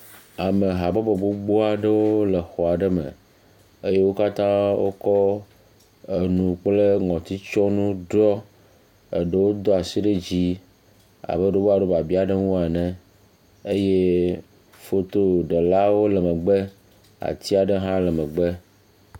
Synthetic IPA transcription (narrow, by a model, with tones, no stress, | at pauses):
a˨me˨ɦa˨bɔ˦be˨bo˦ɡ͡bo˦a˨ɖə˦wo˦le˨xɔ˨a˨ɖə˦mə̰̃˨ | e˦je˦wo˦ka˦t̪ã˦wo̰˦kɔ˦ | e˨nũ˨k͡ple˦ŋɔ̃˨t̪i˦t͡ʃɔ˦nũ˦ɖɔ˦ | e˨ɖə˦wo˦d̪ɔ˦a˨si˦ɖe˦d͡ʑi˦ | a̰˨be˦ɖo˦bo˦a˨ɖo˦ba˨bi˦a˨ɖe˦ŋũ˦a˨nɛ̃˨ | e˦je˦ | fo˦t̪o˦ɖe˨la˦wo˦lɛ˨mə̃˨ɡ͡bə˦ | a̰˨t̪i˦a˨ɖe˦ɦã˦lə˨mə˨ɡ͡be˦